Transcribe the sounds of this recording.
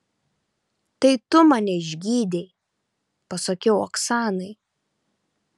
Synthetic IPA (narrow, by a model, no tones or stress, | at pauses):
t̪ɐɪt̪ʊmɑnʲɛɪʒʲɡʲiːd̪ʲɛɪ | pɐsɐkʲɛʊɔksɑːnɐɪ